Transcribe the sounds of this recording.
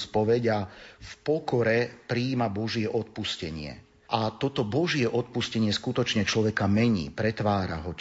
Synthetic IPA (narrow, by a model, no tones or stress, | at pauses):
spɔʋɛɟafpɔkɔɾɛpɾiːmabɔʒɪɛʔɔt̪̚puscɛɲɪɛ̰ | ʔat̪ɔt̪ɔbɔʒɪɛʔɔt̪̚puscɛɲɪɛskut̪ɔt͡ʃɲɛt͡ʃlɔʋɛkamɛɲḭːpɾɛt̪ʋaːɾa̰ɦɔ